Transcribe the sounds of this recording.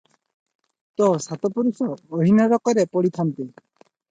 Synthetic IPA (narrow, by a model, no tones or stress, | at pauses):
t̪ɔsat̪ɔpuɾisɔːɦinɔɾɔkɔɾepɔɽit̪ʰant̪i